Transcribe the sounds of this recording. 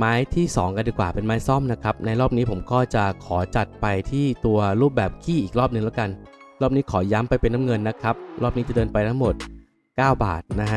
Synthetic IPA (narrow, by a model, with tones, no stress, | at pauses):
maː˦˥jt̪ʰiː˥˩sɔ̰ː˩˦ŋka˧ndiː˧˩kwaː˨˩pe˧nmaː˦˥jsɔ˥˩mna˦˥kʰɾa˦˥p̚na˧jɾɔː˥˩p̚niː˦˥pʰo˩˦mkɔː˥˩t͡ɕa˨˩kʰɔː˩˦t͡ɕa˨˩t̪̚pa˧jt̪ʰiː˥˩t̪u˧ɐɾuː˥˩p̚bɛː˨˩p̚kʰiː˥˩ʔiː˨˩k̚ɾɔː˥˩p̚nɯ˧ŋlɛ˦˥wka˧nɾɔː˥˩p̚niː˦˥kʰɔː˩˦ja˦˥mpa˧jpe˧nːa˦˥mŋɤ˧nːa˦˥kʰa˦˥p̚ɾʔɔː˥˩p̚niː˦˥t͡ɕa˨˩dɤː˧npa˧jt̪ʰa˦˥ŋmo˨˩t̪̚ | kaː˥˩wba̰ː˨˩t̪̚na˦˥kʰa˦˥